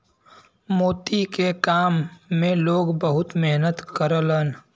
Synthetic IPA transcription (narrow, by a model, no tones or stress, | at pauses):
moːt̪ikekaːmːẽloːɡbəɦʊt̪meɦnət̪kəɾlən